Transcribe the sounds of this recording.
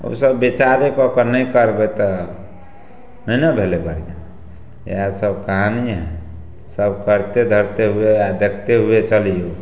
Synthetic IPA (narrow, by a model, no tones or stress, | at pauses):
ṵsəbːit͡ʃaɾekɔkənəikəɾbɛt̪ɔ | nənəbʱelebəɽ̤d͡ʒa | ḛasəbkaɦãniɦɛ̃ | səbkəɾt̪ed̪ʱəɾt̪eɦuead̪ekʰt̪eɦuet͡ʃəlijo